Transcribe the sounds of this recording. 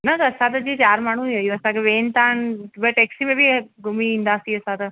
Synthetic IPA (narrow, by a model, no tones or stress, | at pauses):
nɐt̪ːsãt̪ɐd͡ʑiːt͡ɕaːɾmaːɳ̤ũejõɐsãkʰeʋeːnt̪aːnbɐʈeːksimẽbʱiɡʊmiĩːnd̪aːsĩɐsãt̪ɐ